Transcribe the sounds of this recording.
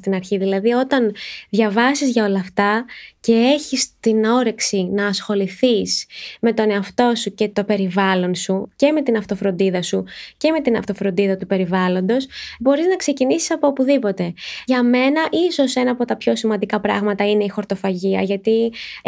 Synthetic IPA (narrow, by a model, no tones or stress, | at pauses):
st̪inɐɾçiðilɐðio̞t̪ɐnðʝɐvɐsizʝɐo̞lɐft̪ɐce̞e̞çist̪ino̞ɾe̞ksinɐːsxo̞liθisme̞t̪o̞ne̞ɐft̪o̞suce̞t̪o̞pe̞ɾivɐlo̞nsuce̞me̞t̪inɐft̪o̞fɾo̞nd̪iðɐsuce̞me̞t̪inɐ̰ft̪o̞fɾo̞nd̪iðɐt̪upe̞ɾivɐlo̞nd̪o̞sbo̞ɾiznɐkse̞cinisi̥sɐpo̞opuðipo̞t̪e̞ʝɐme̞nɐʔiso̞se̞nɐːpo̞t̪ɐpço̞simɐnd̪ikɐpɾɐ̰ɣmɐt̪ɐine̞ixo̞ɾt̪o̞fɐʝiɐ̰ʝɐt̪i